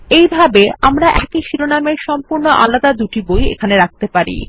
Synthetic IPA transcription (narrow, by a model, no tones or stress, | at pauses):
ejbʱabeamɾaʔɛkiʃiɾonameɾʃɔmpuɾnoʔa̰lad̪ad̪uʈibojḛkʰaneɾak̚t̪epaɾḭ